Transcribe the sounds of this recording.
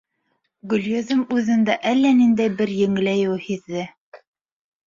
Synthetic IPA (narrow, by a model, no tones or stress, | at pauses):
ɡɵ̆ljeðɘmʉðɘ̆nd̪æʔælːænind̪æjbɘɾjɘ̆ŋlæjɘwhiðːɘ